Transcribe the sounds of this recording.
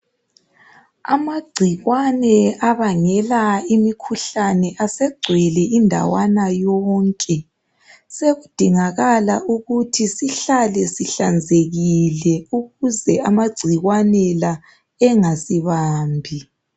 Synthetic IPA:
a̰maɡ͡ǀʱiɣwanɛaβaŋɛlaimikʰuɬanɛʔasɛɡ͡ǀʱwɛlɛʔindʱa̰wanajɔŋkʼɛ | seɣud̥ʱiŋaɣalaʔuɣutʰisiɬalɛsiɬand͡zʱeɣilɛuɣuzɛamaɡ͡ǀʱiɣwanɛla | ɛŋasiβaːmbʱi

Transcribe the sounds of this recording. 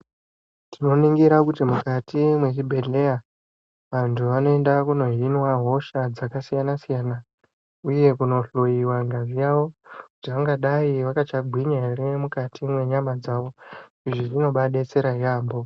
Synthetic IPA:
tʰino̞niŋɡiɾakutimukatimwe̞t͡ʃibʱe̞ɮe̞ja | ʋantʰuʋano̞endakuno̞ɦinwaɦo̞ʃad͡zakasijanasijaːna | uje̞kuno̞ɬojiwaŋɡavijawo̞kutiʋaŋɡaɗaiʋakat͡ʃaɡʱwiɲaeɾe̞mukatʰimwe̞ɲamad͡zaʋo̞ | iʐiʐino̞ɓaɗe̞t͡se̞ɾaɦiaːmbo̞

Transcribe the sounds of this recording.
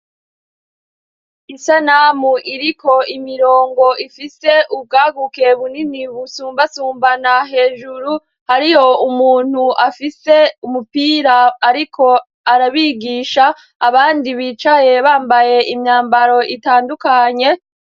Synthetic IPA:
isanamuʔiɾiko̞ʔimiɾo̞ːŋɡo̞ʔifise̞ʔub̚ɡaːɡuke̞βuniniβusuːmbasuːmbanaɦe̞ːʒuɾu | haɾijo̞umuːn̥huafise̞umupiːɾaːɾikʰo̞ | aɾaβiɡiːʃaː | βaːndiβiːt͡ʃaje̞βaːmbaje̞ʔimɲaːmbaɾo̞ʔitaːndukaɲe̞

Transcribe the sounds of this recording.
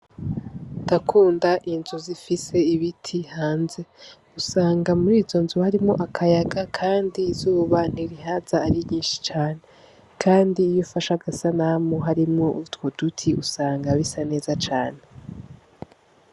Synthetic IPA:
nd̥akʰuːndaʔinzuzifise̞iβitʰihaːnze̞ | usaːŋɡamuɾiːzo̞nzuhaɾimŋo̞̰ʔakʰajaɡakʰaːndizuːβan̥iɾiɦazaːɾiɲiːnʃi̥t͡ʃaːne̞ | kʰaːndiːjofaʃaɡasanamoɦaɾimŋo̞ʔutwod̥utʰiusaːŋɡaβisane̞ːzat͡ʃaːne

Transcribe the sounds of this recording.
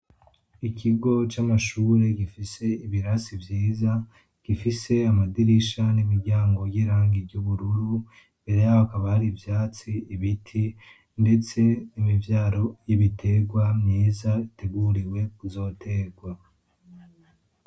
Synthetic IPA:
ikʰiɡo̞t͡ʃamaʃuːɾe̞ɡifise̞iβiɾasivjiːza | kifise̞amadiɾiʃanimiɾɟaːŋɡo̞jiɾaːŋɡiɟuβuɾuɾu | mbe̞ɾe̞jaβakaβahaɾivjaːt͡siiβitʰi | nde̞t͡se̞nimivjaːɾo̞jiβitʰe̞ɡwamɲiːzaite̞ɡuɾiwe̞kuzo̞ːtʰe̞ːɡwa

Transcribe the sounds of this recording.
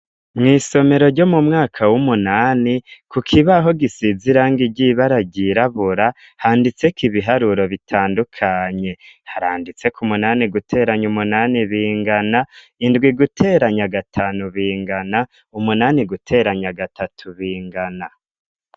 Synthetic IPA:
mŋiːso̞me̞ɾo̞ɾɟo̞mumŋaːkʰawumunaːnikukʰiβaɦo̞ɡisiziɾaːŋɡiɟiβaɾaɟiɾaβuɾa | haːndit͡se̞kiβiɦaɾuɾo̞βitʰaːndukʰaɲe̞haɾaːndit͡se̞kʰumunaːniɡutʰe̞ːɾaɲumunaːniβiːŋɡana | indɡwiɡutʰe̞ːɾaɲaɡatʰaːnuβiːŋɡana | umunaːniɡutʰe̞ːɾaɲaɡatʰatʰuβiːŋɡana

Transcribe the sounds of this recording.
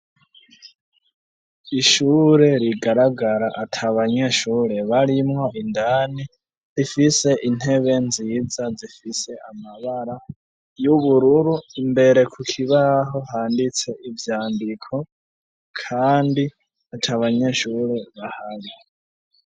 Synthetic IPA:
iʃuːɾe̞ɾiɡaɾaɡaɾaʔatʰaβaɲe̞ʃuːɾe̞βaɾimŋo̞ʔindaːni | ɾifise̞ʔin̥he̞βe̞nziːd͡zazifise̞ʔamaβaɾa | juβuɾuɾuimbe̞ɾe̞kʰukʰiβaɦo̞haːndit͡se̞ʔivjaːndikʰo̞ | kʰaːndi | atʰaβaɲe̞ʃuːɾe̞βahaɾi

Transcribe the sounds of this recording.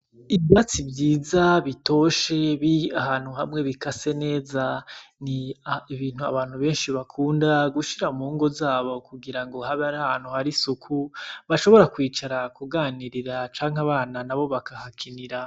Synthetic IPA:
iβjat͡sibjiːzaβito̞ʃe̞βiahaːnhuɦamŋe̞βikase̞ne̞ːzaniiβiːn̥hua̰βaːnhuβe̞ːnʃiβakʰuːndaɡuʃiɾamuːŋɡo̞zaːβo̞kuɡiɾaŋɡo̞ɦaβaɾahaːn̥huhaɾisukʰuβaʃo̞βo̞ɾakwiːt͡ʃaɾakuɡaːniɾiɾat͡ʃaːŋ̥aβaːnanaβo̞βakahakʰiniɾa

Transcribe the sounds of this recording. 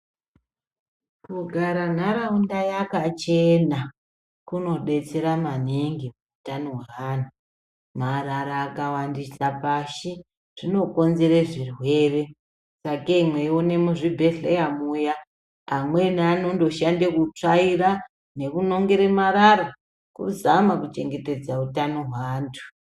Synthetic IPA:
kuɡʱaɾan̤aɾaundajakat͡ʃena | kuno̞ɗe̞t͡se̞ɾamaniŋɡimuutaniwaanu | maraɾaːkawandisapaʃi | ʐ̥ino̞ko̞nze̞ɾeʐirwe̞ːre̞ | sakaimwe̞iwonemuʐibʱe̞ɮejamuja | amwe̞nanondo̞ʃandekut͡ʂaira | ne̞kuno̞ŋɡe̞ɾemaɾaɾa | kṵzamakut͡ʃe̞ŋɡe̞te̞d͡zautanoɦwaːntʰu̥

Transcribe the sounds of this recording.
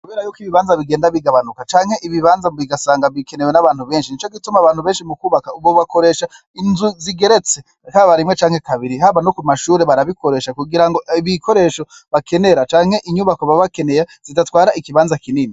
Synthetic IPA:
kkuβeːɾajuːkiβiβaːnzaβiɡe̞ːndaβiɡaβanukat͡ʃaːŋhe̞ʔiβiβaːnzaiɡasaːŋɡaβike̞ne̞wenaβaːn̥huβe̞ːnʃinit͡ʃo̞kitumaβaːn̥huβe̞ːnʃimukuːβakauβoβako̞ɾe̞ʃa | inzuziɡe̞ɾe̞t͡se̞ | haβaɾimŋet͡ʃaːŋhe̞kaβiɾihaβanokumaʃuːɾeβaɾaβikʰo̞ɾe̞ːʃakuɡiɾaŋɡo̞iβikʰo̞ɾe̞ʃo̞βakʰe̞ne̞ɾat͡ʃaːŋ̥he̞ʔiɲuβakoβaβake̞ne̞jaz̥itatwaːɾaikiβaːnzakiniːni

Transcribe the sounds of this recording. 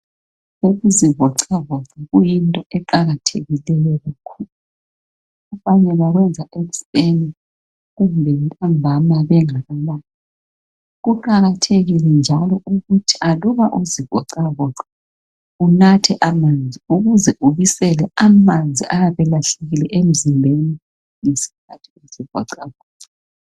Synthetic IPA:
uɣuziβɔǀaβɔǀaɣujintʼɔʔɛǃaɣatʰeɣilɛjɔɣakʰulu | ɣufaɲɛβaɣwɛnd͡zʱaʔeɣuseni | ɣumbʱɛntʰʼambʱamaβɛŋaβalaːna | ɣuǃaɣatʰeɣilɛnd͡ʒʱalɔuɣutʰi̥aluβaʔuziβʱɔǀaβɔǀḁ | unatʰɛʔamand͡zʱiuɣuzɛʔuβisɛlɛamand͡zʱiʔajaβɛlaɬeɣilɛʔem̩zimbʱeni | ŋesi̥kʰatʰi̥eziβʱɔ̰ǀaβɔǀ

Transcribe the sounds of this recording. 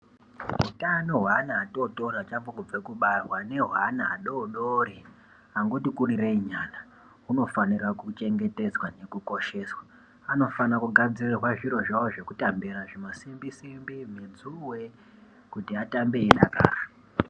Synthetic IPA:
ɦutanoɦwaːnaːtoto̞ɾat͡ʃafokub͡vekuɓarwane̞ɦwanaːɗo̞ɗoɾi | aŋɡotikurireiɲaːna | uno̞fanirakut͡ʃe̞ŋɡe̞te̞d͡zwane̞kuko̞ʃe̞ːswa | ano̞fanakuɡʱad͡zirirwaʐiɾo̞ʐawoʐe̞kutambiɾaʐimasimbisimbimenzuwe̞ | kutiatambeːɗa̰ka̰ːra

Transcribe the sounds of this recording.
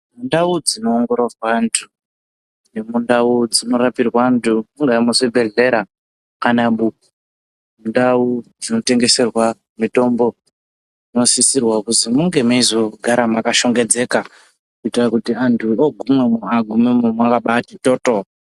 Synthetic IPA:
mundaud͡zino̞ːŋɡo̞ɾorwantʰu | nemundaud͡zino̞ɾapirwantʰumuŋɡamusibʱe̞ɮe̞ɾa | kanaɓuku | mundaud͡zino̞te̞ŋɡe̞se̞rwa | mito̞mbo | d͡zino̞sisirwakuzimuŋɡe̞maizo̞ɡʱaɾamakaʃo̞ŋɡe̞d͡ze̞ka | kuitirakutiantʰuoɡʱumwemuaɡʱumemumwakaɓatitoto

